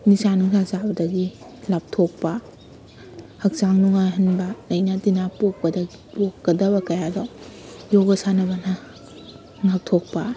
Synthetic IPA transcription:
nisanuŋsasabɐdɐɡi | lap̚tʰok̚pɐ | hɐk̚saŋnuŋajɦɐnbɐlɐjnatinapok̚pɐdɐɡipokːɐdɐbɐkɐjadajoɡɐsanɐbɐna | ŋak̚tʰok̚pa

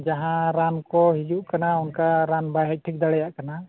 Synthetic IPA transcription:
d͡ʒaɦãɾankɔɦid͡ʒuʔkanaunkaɾanbajɦɛc̚ʈʰik̚d̪aɽɛjaʔkana

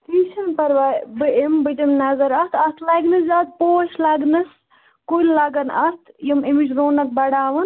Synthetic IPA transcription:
t̪iːʃɐnpɐɾʋaːjbɨimbɨd̪imnɐzɐɾɐst̪ʰɐst̪ʰlɐɡnɨszʲat̪̚poːʃlɐɡnɨs | kulʲlɐɡɐnɐst̪ʰjimimit͡ʃɾoːnɐk̪̚bɐɽaːʋɐn

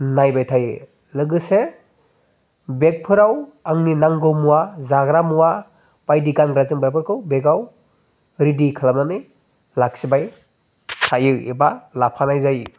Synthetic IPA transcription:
najbajtʰajɯ | lɯɡɯse | bek̚pʰɯɾawaŋninaŋɡɯmuwazaɡɾamuwa | pajdiɡanɡɾazɯŋbaɾpʰɯɾkʰɯwbeɡaw | ɾidikʰalamnanɯj | lak̚sibaj | sʰajɯḛbalapʰanajzaj

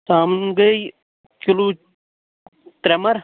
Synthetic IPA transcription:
saːmnɡɐj | kiloː | t̪ɾemɐɾ

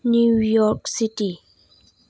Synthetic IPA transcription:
njujɔɾksiti

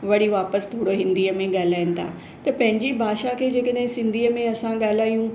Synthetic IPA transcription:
ʋɐɽiʋaːpəst̪ʰoːɽoɦɪ̃nd̪iːəmẽɠaːlaːɪnɪ̆t̪ʰa̰ː | t̪ɐpɐ̃ɦɪ̃ɲd͡ʑibʱaːʃakʰeːd͡ʑeːkəɗɦɪ̃sɪ̃nd̪ʱiːəmẽɐsãɠaːl̤aːijũ

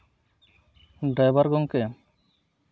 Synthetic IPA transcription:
ɖajbaɾɡɔŋkɛ

